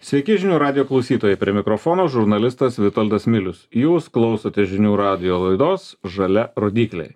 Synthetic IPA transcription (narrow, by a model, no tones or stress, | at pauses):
sʲʋʲɛɪkʲɪʒʲɪnʲuːɾɑːd̪ʲɪjoːklˠɒʊsʲiːt̪oːjɛɪpʲɾʲiɛmʲɪkɾofɔːnoːʒʊɾnɐlʲɪst̪ɐsʋʲɪt̪ɔlʲd̪ɐsmʲɪlʲʊsjuːsklˠɒʊsɐt̪ʲɛʒʲɪnʲuːɾɑːd̪ʲɪjoːlˠɐɪd̪oːsʒɐlʲɛɾoːd̪ʲiːklʲɛ̰ɪj